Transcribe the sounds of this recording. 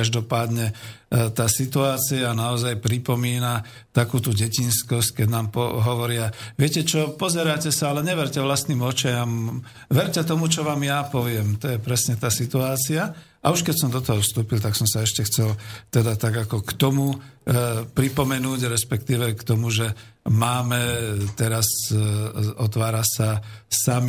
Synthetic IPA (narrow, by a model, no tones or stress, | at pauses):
aʒd̪ɔpaːd̪ɲɛ | t̪aːsit̪uaːt͡siaːnaɔzajpɾipɔmiːna | t̪akuːt̪uːɟɛcinskɔsckɛɟnaːmpɔɦɔʋɔɾɪaʋɪɛcɛt͡ʃɔpɔzɛɾaːcɛsaalɛɲɛʋɛɾcɛʋlast̪niːmɔt͡ʃajam | ʋɛɾcɛt̪ɔmut͡ʃɔʋaːmjapɔʋɪɛmt̪ɔjɛpɾɛsɲɛt̪aːsit̪uaːt͡sia | ʔauʃkɛcsɔmd̪ɔt̪ɔɦɔfst̪uːpilt̪aksɔmsaɛʃcɛxt͡sɛlt̪ɛd̪at̪aɡakɔkt̪ɔmu | pɾipɔmɛnuːɟɾɛspɛkt̪iːʋɛkt̪ɔmuʒɛ | maːmɛt̪ɛɾas | ɔt̪ʋaːɾasasami